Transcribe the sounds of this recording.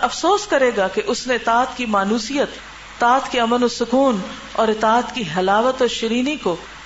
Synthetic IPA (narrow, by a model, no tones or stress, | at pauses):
ɐfsoːskɐɾeːɡakeʔʊsnẽɪt̪aːt̪kimaːnuːsijət̪ː | aːt̪kiɐmənosʊkuːn | ɔːɾɪt̪aːt̪kiɦɐlaːʋət̪ɔːɾʃɪɾiːniko